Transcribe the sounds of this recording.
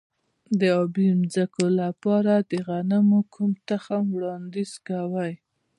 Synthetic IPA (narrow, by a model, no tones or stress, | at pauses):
d̪əɑbimzakolapɑɾad̪əɣanamokʰumt̪axamwɽɑnd̪izkawaj